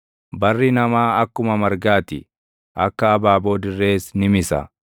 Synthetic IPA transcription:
bɐrːɪnɐmaːɐkːʊmɐmɐɾɡaːt̪ɪ | ʔɐkːɐːbaːbo̞ːd̪ɪrːe̞ːsnɪmɪsɐ̰

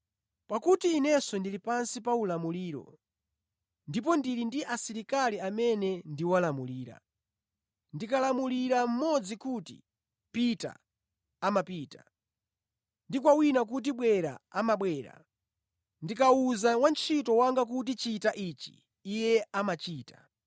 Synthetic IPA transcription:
pakutiːnɛsɔndilipansipaulamuliːɾɔ̰ | ndip̬ɔndiɾindiʔasiɾikaliamɛnɛndiwalamuliːɾa̰ | ndikalamuliɾam̩mɔd͡zikutḭ | pita̰ː | mapiːtḁ̰ | ndikwawinak̬ut̬iɓwɛɾa̰amaɓwɛːɾa̰ | ndikauzawant͡ʃʰitɔwaŋɡak̬ut̬it͡ʃitaʔit͡ʃi̥̰ | ijɛamat͡ʃiːtḁ

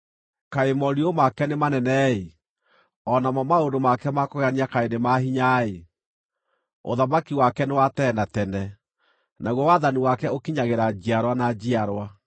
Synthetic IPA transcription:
kaemɔɾiomakɛnemanɛnɛe | ɔnamɔmaondomakɛmakɔɣaniakaenemaɦiɲae | o̰ðamakiwakɛnewatɛnatɛnɛ | naɣwɔwaðaniwakɛokiɲaɣeɾad͡ʑiaɾwanad͡ʑiaɾwa

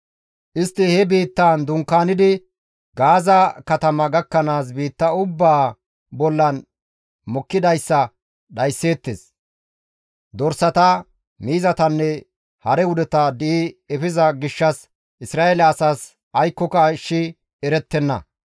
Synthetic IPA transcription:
ʔɪst̪ːɪhɛbiːt̪ːaːnd̪ʊŋkːaːnɪd̪ɪ | ɡaːzɐkɐt̪ɐmɐɡɐkːɐnaːs̬biːt̪ːɐʊbːaː | bɔlːɐn | mɔkːɪd̪ɐjsːɐ | ɗɐjsːe̞ːt̪ːes | d̪ɔɾsɐt̪ɐ | miːzɐt̪ɐnːɛ | hɐɾɛwʊd̪ɛt̪ɐd̪ɪɪɛfɪzɐɡɪʃːɐs | ʔɪsɾaːelɛɐsaːs | ɐjkːɔkɐʃːɪ | ɛɾɛt̪ːɛnːɐ̰

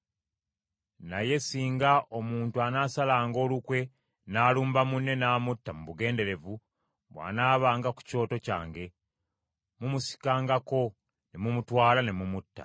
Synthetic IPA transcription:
naje̞siːŋɡaʔomuːntuanaːsalaːŋɡo̞ːlukwe̞ | naːluːmbamunːe̞naːmutːamuβuɡe̞ːnde̞ɾe̞vu | βwa̰ːnaːβaːŋɡaku̥co̞ːto̞ca̰ːŋɡe̞ | mumusi̥kaːŋɡako̞ | nemumutwaːlane̞mumutːa̰

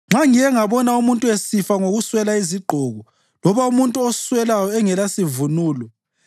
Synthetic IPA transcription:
ŋ͡ǁʱaŋijɛŋaβɔnaumuntʼuesifaŋoɣuswɛlaiziɡ͡ǃʱɔɣu | lɔβaumuntʼuoswɛlajɔɛŋɛlasivunuːlɔ

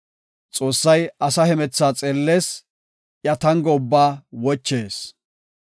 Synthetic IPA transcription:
t͡sʼo̞ːsːɐjɐsɐhɛmɛt͡sːaːt͡sʼeːlːe̞ːs | ʔjɐt̪ɐŋɡɔʊbːaːwɔt͡ʃːe̞ːs

